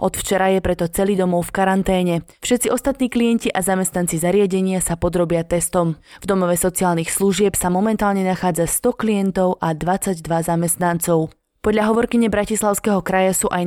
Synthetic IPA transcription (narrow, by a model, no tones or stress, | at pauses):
ɔt̪ft͡ʃɛɾajɛpɾɛt̪ɔt͡sɛlid̪ɔmɔʊfkaɾant̪ɛːɲɛfʃɛt̪t͡siʔɔst̪at̪niːklijɛnciʔazamɛst̪nant͡sizaɾɪaɟɛɲɪasapɔd̪ɾɔbɪat̪ɛst̪ɔmvd̪ɔmɔʋɛsɔt͡siaːlnixslˠuʒɪɛpsamɔmɛnt̪aːlɲɛnaxaːd͡zast̪ɔklijɛnt̪ɔʊʔad̪ʋat͡saɟd̪ʋazamɛst̪nant͡sɔʊ | pɔd̪ʎʲaɦɔʋɔɾkiɲɛbɾacislˠaʊskɛɦɔkɾajasuːʔaj